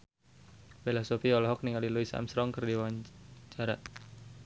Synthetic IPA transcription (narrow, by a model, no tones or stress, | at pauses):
bɛlasofiɔlɔɦɔk̚niŋaliluisa̰msɾɔŋkərdiwawaɲt͡ʃaɾa